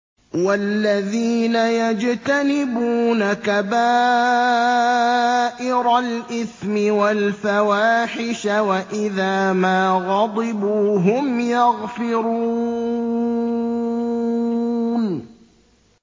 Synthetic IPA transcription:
walːaðiːnajad͡ʒt̪anɪbuːnakabaː | ʔɪɾalʔɪθmɪwalfawaːħɪʃawaʔɪðaːmaːɣɑd̪ˤɨbuːɦʊmjɑɣfɪɾu | n

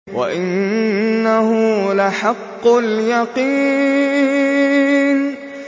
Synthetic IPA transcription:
wa̰ʔɪnː | ahʊlaħɑqːʊljɑqiː | n

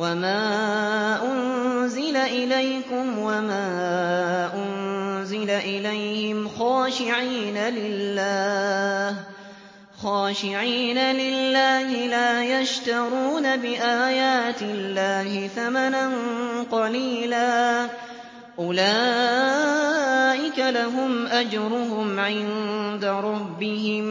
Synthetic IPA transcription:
wamaː | ʔʊnzɪlaʔɪlajkʊmwamaː | ʔʊnzɪlaʔɪlajhɪmxɑːʃɪʕiːnalɪlːaː | h | xɑːʃɪʕiːnalɪlːaːhɪlaːjaʃt̪ɑɾuːnabɪʔaːjaːt̪ɪlːaːhɪθamananqɑliːlaː | ʔʊlaː | ʔɪkalaɦʊmʔad͡ʒɾˤʊɦʊmʕɪnd̪aɾˤɑbːɪɦɪm

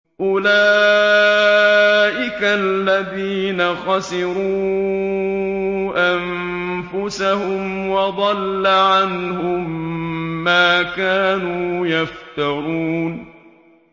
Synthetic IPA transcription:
ʔʊlaː | ʔɪkalːaðiːnaxɑsɪɾuː | ʔam | fʊsahʊmwɑd̪ˤɑlːaʕanhʊmː | aːkaːnuːjaft̪aɾuːn

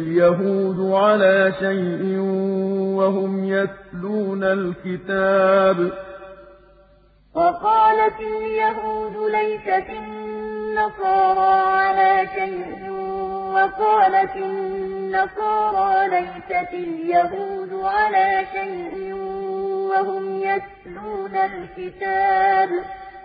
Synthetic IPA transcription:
ljaɦuːd̪ʊʕalaːʃajʔɪnwaɦʊmjaθluːnalkɪt̪aːb | wɑqɑːlat̪ɪljaɦuːd̪ʊlajsaɪnːɑsˤɑːɾˤɑːʕalaːʃajʔʔɪnwɑqɑːlat̪ɪnnːɑsˤɑːɾˤɑːlajsatɪljahuːd̪ʊʕalaːʃajʔɪwahʊmjat | luːnalkɪt̪aːb

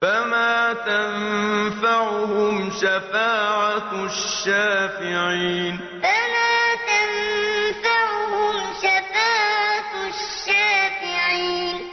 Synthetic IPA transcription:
famaːt̪anfaʕʊhʊmʃafaːʕaʃːaːfɪʕiːn | famaːt̪anfaʕʊhʊmʃafaːʕʕa | ʃʃʃːaːfɪʕiːn

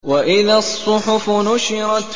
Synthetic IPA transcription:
waʔɪðasˤːʊħʊfʊnʊʃɪɾˤɑt̪

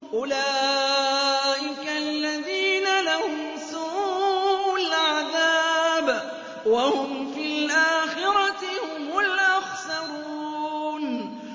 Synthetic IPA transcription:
ʔʊlaː | ʔɪkalːaðiːnalahʊmsuʔʔʔalʕaðaːb | wahʊmfiːlʔaːxɪɾɑt̪ɪhʊmʊlʔaxsɑɾuuːn

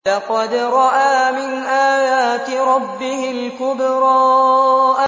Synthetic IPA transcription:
ɑqɑd̪ɾˤɑʔaːmɪnʔaːjaːt̪ɪɾˤɑbːɪhɪlkʊbɾˤɑː | ʔa

